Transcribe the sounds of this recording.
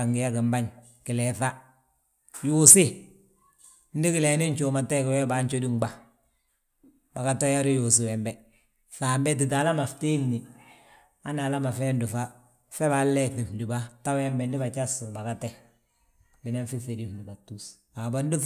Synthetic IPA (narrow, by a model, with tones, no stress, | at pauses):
a˨ŋɡɪ˨ja˦kɪ˨mba˦ɲ | kɪ˨lɛ˨θa˦ | jusɪ˦ | n̩˦di˦kɪ˨le˨nɪ˦ɲt͡ʃo˨ma˨te˦kɪ˨wɛ˦ba˨ɲt͡ʃo˦di˦ŋba˦ | ba˨ka˦to˦ja˦ɾi˦jo˨s̬i˦wɛ˨mbɛ˦ | θa˨mbɛ˦t̬i˨t̬a˨la˦ma˨fte˦mni˨ | a˦na˨la˦ma˨fe˦ndɪ˨fa˦ | fɛ˦βa˨lːɛ˦θi˨mdi˨ba˦ta˦wɛ˦mbɛ˨ndɪ˦ba˨t͡ʃa˦su˨ba˨ka˦te˦ | bɪ˨ne˦fi˦fe˨di˦mdi˨ba˨tu˦s | a˨ba˦n˦di˦